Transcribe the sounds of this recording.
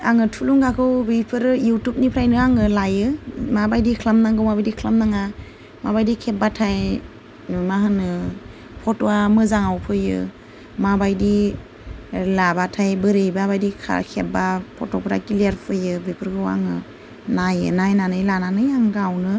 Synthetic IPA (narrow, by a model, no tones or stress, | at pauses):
aŋɯtʰuluŋɡakʰɯwbɯjpʰɯɾjutup̚nipʰɾajnɯaŋɯlajɯmabajdikʰlamnaŋɡɯwmabajdikʰlamnaŋa | mabajdikʰep̚batʰaj | maɦɯnɯ | pʰɔtoamɯzaŋawpʰɯjɯ̰ | mabajdi | labatʰajbɯɾejbabajdikʰa̰kʰep̚bapʰɔtɔpʰɾa̰kiliaɾpʰɯjɯbɯjpʰɯɾkʰɯwa̰ŋɯ̰ | najɯ̰najnanɯjlananɯjaŋɡawnɯ